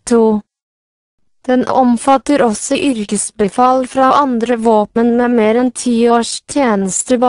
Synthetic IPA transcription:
t̪ʰuː | d̪̥ɛnʔʔɔmfɑt̪əɾɔsɔʔʏɾkəsbəfɑlfɾɑʔɑnd̪ɾəʋoːpənmeːmeːɾɛnt̪ʰiːoːʃt̪ʰjeːnəst̪əbɑ

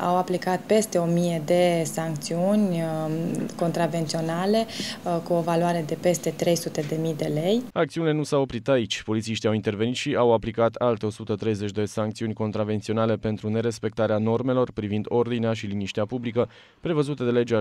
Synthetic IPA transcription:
a̰waplikat̪pe̞st̪e̞o̞mije̞d̪e̞saŋk̚t̪siunʲ | ko̞nt̪ɾave̞nt̪sio̞nale̞kuo̞valuaɾe̞d̪e̞pe̞st̪e̞t̪ɾe̞jsut̪e̞d̪e̞mid̪e̞le̞jak̚t̪siunile̞nusawopɾit̪ait͡ʃʲpo̞lit̪siʃt̪iawint̪e̞rve̞nit̪ʃiʔawaplikat̪ʰalt̪e̞o̞sut̪ət̪ɾe̞jzet͡ʃʲd̪esaŋkt̪siunʲko̞nt̪ɾave̞nt̪sio̞nale̞pe̞nt̪ɾune̞ɾe̞spe̞k̚t̪aɾeano̞rme̞lo̞rpɾivind̪o̞rd̪ineaʃiliniʃt̪eapublikə | pɾe̞vəzut̪e̞d̪e̞le̞d͡ʒa

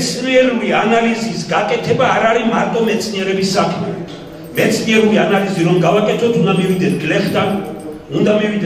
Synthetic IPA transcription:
t̪sʰniɛɾulianalizisɡakʼɛt̪ʰɛbaːɾaɾimaɾt̪ʼɔmɛt̪sʰniɛɾɛbisːakʰmɛ̰ | mɛt̪sʰniɛɾulianaliziɾɔmɡavakʼɛt̪ʰɔt̪ʰund̪amivid̪ɛt̪ʰɡlɛχd̪an | und̪amivid̪ɛ

